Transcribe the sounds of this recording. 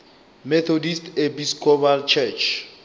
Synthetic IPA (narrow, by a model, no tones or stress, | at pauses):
mɛt̪ʰɔdistʰepiskʰʼɔbalt͡ʃʰɛt͡ʃʰ